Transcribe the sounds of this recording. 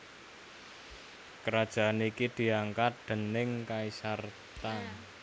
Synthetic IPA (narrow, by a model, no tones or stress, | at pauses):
kəɾad̥ʒ̥a̤anikid̪̥i̤aŋkat̪̚d̪̥ə̤nɪŋkaisart̪a